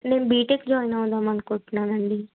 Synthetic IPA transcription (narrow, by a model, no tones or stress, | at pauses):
nẽːbiːʈekd͡ʒɔːinaõːnd̪aːmənkʊʈʰnaːʋɛɳɖ̪iː